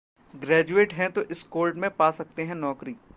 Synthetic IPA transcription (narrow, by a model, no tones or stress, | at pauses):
ɡɾɛːd͡ʒueːʈɦɛ̃t̪oʔɪskoːlɖmẽpaːsɐk̚t̪eɦɛ̃nɔːkɾiː